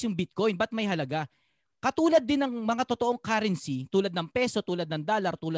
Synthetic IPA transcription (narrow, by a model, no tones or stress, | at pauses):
jʊŋbɪt̪̚ko̞jnbɐt̪̚mɐjɦɐlɐɡa | kɐt̪uːlɐd̪ːɪnɐŋmɐŋat̪ot̪oʔoŋkaɾɛnsit̪uːlɐd̪̚nɐŋpɛso̞t̪uːlɐd̪nɐŋd̪aːlɐɾt̪uːl